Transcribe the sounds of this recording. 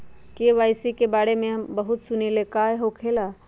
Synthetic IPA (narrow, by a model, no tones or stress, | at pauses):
keʋajsikebaɽemeɦəmbəɦut̪sunelekajɦokʰela